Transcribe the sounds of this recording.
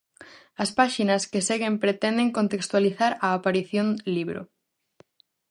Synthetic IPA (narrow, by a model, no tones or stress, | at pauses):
ɐspaʃinɐskeseɣempɾet̪end̪eŋkont̪ekst̪waliθaɾaːpaɾiθjõnliβɾo̰